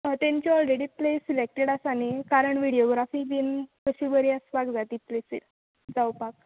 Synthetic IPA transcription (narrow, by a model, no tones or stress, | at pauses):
t̪ẽɲt͡ɕiɔlɾeɽiːplesilek̚ʈeɽasanikaɾəɳʋiɽioɡɾafib̪inkəɕibəɾiasbakd͡zat̪iːplesḭl | d͡zawpak̚